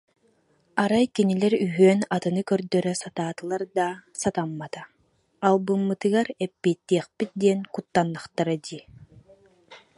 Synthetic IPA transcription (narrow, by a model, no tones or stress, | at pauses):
aɾajkinilɛɾyɦøːnat̪ɯnɯkœɾd̪œɾœsat̪aːt̪ɯlˠaɾd̪asat̪amːat̪aː | lˠbɯmːɯt̪ɯɡaɾɛpːiːt̪ːiɛχpit̪̚d̪iɛnkut̪ːanːaχt̪aɾad̪iː